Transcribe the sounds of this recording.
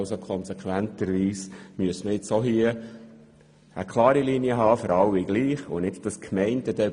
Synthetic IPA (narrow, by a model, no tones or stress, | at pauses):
ʊsokʰɔnsɛkχʋænt̪əɾʋiːsmyəsməjɪt͡soɦiə | əkʰlɑːɾilinjəɦɑːfɔɾɑlɪɡ̥liːχʊnɪdd̥ɑskʰmɛɪnt̪əd̥̪ɛ